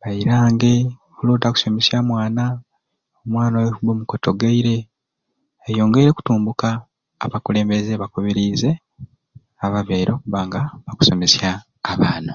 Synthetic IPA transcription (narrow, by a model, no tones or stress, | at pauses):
βaiɾaːŋɡe̞ | kuluːtaku̥so̞mesjaːmwaːna | omwaːnawehubomukoto̞ɡeiɾe̞ː | jo̞ːŋɡeiɾeku̥tuːmbukaː | βakule̞ːmbezeβakoβeɾize̞ | aβaβeɾoːkuβaːŋɡaβaku̥so̞mesjaː | βaːna